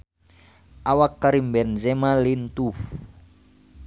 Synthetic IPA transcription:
awakːaɾimbɛnzɛmalint̪uf

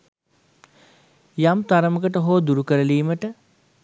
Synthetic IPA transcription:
jamt̪aɾəməkəʈəɦoːd̪uɾukəɾəliːməʈə

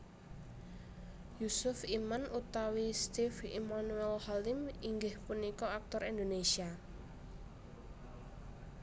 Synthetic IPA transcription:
jusʊfimanʔut̪awist̪ifḭmanuɛlhalɪmiŋɡɪhpunikɔak̚t̪ɔɾind̪onesia

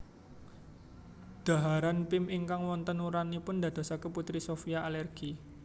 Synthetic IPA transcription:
d̪̥ä̤ɦaɾanpɪmiŋkaŋwɔnt̪ənuɾanipʊnd̪a̤d̪̥a̤sakəput̪ɾisofiaʔːlɛrɡ̥i

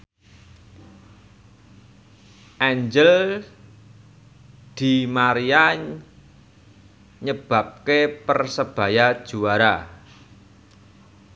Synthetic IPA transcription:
ʔɛɲd͡ʒəl | d̪̥i̤maɾia | ɲəb̥a̤p̚kepərsəb̥a̤jad̥ʒ̥ṳwaɾa

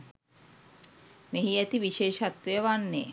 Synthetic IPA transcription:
meɦiæt̪iʋiʃeːʃat̪ʋejəʋanːeː

